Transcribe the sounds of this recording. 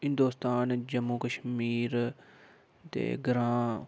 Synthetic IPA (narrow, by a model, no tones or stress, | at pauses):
ɦɪ̃nd̪oːst̪aːnd͡ʒəmːuːkəʃmiːɾ | t̪ḛːɡɾãː